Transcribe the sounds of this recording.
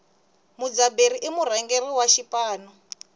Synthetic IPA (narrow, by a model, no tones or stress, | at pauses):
mud͡zabeɾiʔimurɛŋɡeriwaʃipaːnɔ